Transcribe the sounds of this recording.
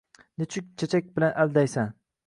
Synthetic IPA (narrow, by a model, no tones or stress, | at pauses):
nɪt͡ʃʰʊk̚ʲt͡ʃʰat͡ʃʰak̚ʲbɪlanʔald̪ajsan